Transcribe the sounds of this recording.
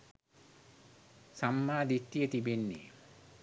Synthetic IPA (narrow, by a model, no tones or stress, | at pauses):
samːaːd̪ʱit̪ːijət̪ibenːḛ